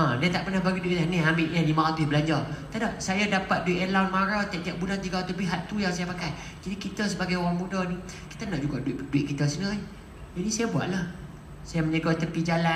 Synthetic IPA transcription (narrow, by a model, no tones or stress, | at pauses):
ãdɛnt̪aʔpərnahbaɡiduiʔlaniambɪʔɲanimaat̪ubəlaɲd͡ʒat̪adaʔ̚sajadapat̪̚duiʔəlawnmaɾat̪iaʔ̚t̪iaʔ̚bulant̪iɡat̪upiɦat̪ːujaŋsajapakaj | d͡ʒadikit̪əs̬əbaɡajwaŋmudɔni | ki̥t̪anaʔd͡ʒuɡaduiʔduiʔkit̪əsənə | d͡ʒadisajabua̰ʔlah | sajaməɲəɡɔt̪əpid͡ʒala